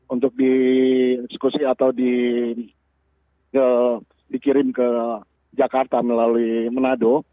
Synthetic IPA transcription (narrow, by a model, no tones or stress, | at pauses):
unt̪ʊk̚di | ɛksə̥kusiat̪awdi | ə | dikiɾɪnkə | d͡ʒakart̪aməlaluimənado